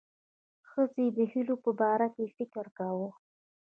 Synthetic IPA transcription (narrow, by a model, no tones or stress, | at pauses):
xəzed̪əhilopəbɑɾakefɪkəɾkawə